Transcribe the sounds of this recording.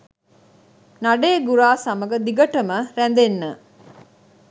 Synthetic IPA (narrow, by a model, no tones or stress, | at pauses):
naɖeːɡuɾaːsɐməɡəd̪iɡɐʈəməɾænd̪enːə